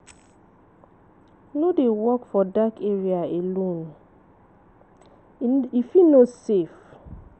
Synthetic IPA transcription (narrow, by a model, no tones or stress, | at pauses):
nodewɔkfɔdakeɹiaelõn | ifinosef